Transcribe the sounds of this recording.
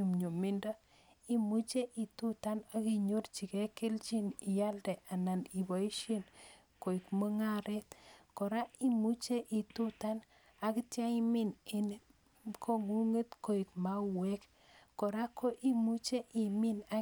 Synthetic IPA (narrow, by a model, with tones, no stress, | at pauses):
u˨mɲo˨mi˦nda˦ | i˦mu˦t͡ʃe˦ʔi˨tu˦ta˦na˦ki˦ɲo˦rt͡ʃi˨ke˦ke˦lt͡ʃi˦ni˨ja˦ldɛ˨ʔa˨na˨ni˨bo˨i˦ʃe˦n | ko˨i˨kmo˦ŋa˦ɾe˦t̪ko˨ɾa˦i˦mu˦t͡ʃe˦ʔi˨tu˦ta˦n | a˨ki˦tja˦imi˦ne˨n | kʰo˦ŋu˦ŋe˦t̪ko˨i˨kma˦we˦kː | ko˨ɾa˦kʰo˦ʔi˦mu˦t͡ʃe˦ʔi˨mi˦na˦